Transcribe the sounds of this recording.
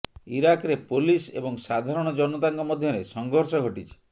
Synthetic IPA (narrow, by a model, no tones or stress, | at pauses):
iɾakɾepolisḛbɔŋsad̪ʱaɾɔɽ̃ɔd͡ʒɔnɔt̪aŋkɔmɔd̪ʱjɔɾesɔŋɡʱɔɾsɔɡʱoʈit͡ʃʰi̥